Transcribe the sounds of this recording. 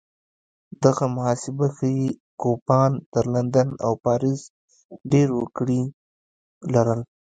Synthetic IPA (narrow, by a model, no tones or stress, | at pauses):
d̪aɣamʊhɑsɪbaxəjikopɑnt̪əɾland̪ana̰wpɑɾɪz | ɖeɾwəkɽi | laɾəl